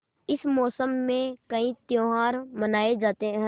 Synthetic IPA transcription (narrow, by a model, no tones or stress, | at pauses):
ɪsmɔːsəmːẽkɐɦĩt̪joːɦaːɾmənaːed͡ʒaːt̪eɦɛ̃